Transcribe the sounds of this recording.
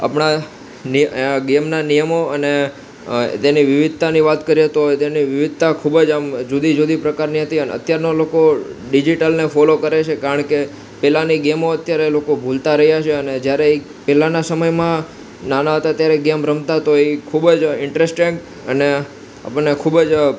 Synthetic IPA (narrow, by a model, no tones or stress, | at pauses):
a̰pɳa | niɡemnanijəmoəne | t̪eniʋɪʋɪd̪̚ʱt̪aniʋat̪kəɾiet̪ot̪eniʋɪʋɪd̪̚ʱt̪akʰubəd͡ʒamd͡ʒud̪id͡ʒod̪ipɾəkaɾniɦət̪iənḛə̰t̪jaɾnolokoɖid͡ʒiʈəlnefɔlokəɾet͡ʃʰekaɾəɳke | pɛlaniɡemoət̪jaɾelokobʱult̪aɾəɦjat͡ʃʰeəned͡ʒjaɾe | pɛlanasəməjmã | nanaɦət̪at̪jaɾeɡemɾəmt̪at̪oikʰubd͡ʒɪɳʈɾesʈiŋɡ | əne | a̰pəɳːekʰubəd͡ʒ